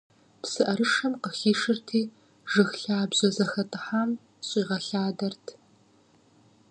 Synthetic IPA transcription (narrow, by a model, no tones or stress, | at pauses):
psɨʔɐɾɨʂɐmqəxiːʂɨrtʰiː | ʒɨxɬaːbʑɐzɐxɐtʼɨħaːm | ɕʼiːʁɐɬaːdɐrtʰ